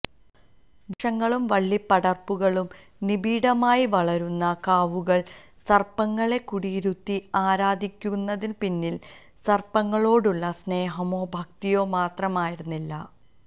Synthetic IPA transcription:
uʂɐŋːɐɭumʋɐɭːipːɐɽɐrpːuɣɐɭum | nibʱiːɽɐmaːjiʋɐɭɐɾunːɐkaːʋuɣɐɭ | sɐrpɐŋːɐɭe̞kuɽiɾut̪ːiaːɾaːd̪ʱikʲːunːɐðinpinːil | sɐrpɐŋːɐɭo̞ːɽuɭːɐsne̞ːɦɐmo̞ːbʱɐk̚t̪ijo̞ːmaːt̪rɐmaːjiɾunːilːɐ

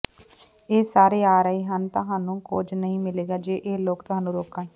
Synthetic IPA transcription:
eːsaːɾeːaːɾəiːɦənt̪ʊɦaːnũːkod͡ʒnəɦĩːmɪleːɡaːd͡ʒeːʔeːloːkt̪ʊɦaːnːũːɾoːkae

